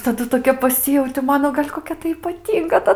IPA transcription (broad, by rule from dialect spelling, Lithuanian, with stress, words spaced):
tɐˈdʊ toːˈkʲɛ pɐˈsʲɪjɛʊtʲɪ ˈmɑːnoː ɡɐlʲ koːˈkʲɛ tɐɪ iːpɐˈtʲiːŋɡɐ tɐ